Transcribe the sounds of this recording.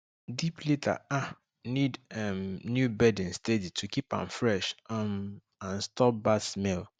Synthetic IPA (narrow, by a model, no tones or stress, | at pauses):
dipʰletʰa̰a | nidɛmnjubɛdɪ̃nsteditʰukipã̰mfɹɛʃm | ãnstɔp̚batsmɛl